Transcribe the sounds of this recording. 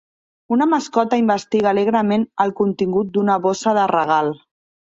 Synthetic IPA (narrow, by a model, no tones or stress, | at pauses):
unəməskɔt̪əimbəst̪iɣəːleɣɾəmenəlˠkunt̪iŋɡut̪̚d̪unəβosəðərəɣ̞alˠ